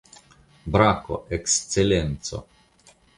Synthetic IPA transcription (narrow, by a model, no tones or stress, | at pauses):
bɾako̰ʔekst̪selent̪so̰